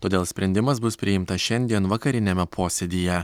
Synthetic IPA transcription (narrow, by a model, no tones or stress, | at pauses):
t̪oːd̪ʲeːlˠsʲpʲɾʲɛnʲd̪ʲɪmɐsbʊspʲɾʲɪɪmt̪ɐsʃʲɛnʲd̪ʲiɛnʋɐkɐɾʲɪnʲɛmʲɛpʰoːsʲɛd̪ʲiːjɛ